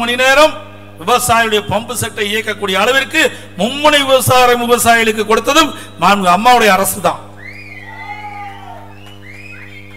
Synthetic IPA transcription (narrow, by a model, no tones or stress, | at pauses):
ʊnɪneːɾɐm | ʋɪʋɐsaːjɪɯɽɐjɐpɐmbɯsɛʈːɐɪɪjɐkːɐkːuːɽɪjɐːɭɐʋɪrkɯ | mʊmːʊnɐɪʋɪʋɐsaːɾɐmʋɪʋɐsaːjɪɐɭɯk̬ːɯkːɔɽɯt̪ːɐðɯm | naːnɡɯɐmːaːʋɯɽɐjɐːɾɐsɯðã̰ːn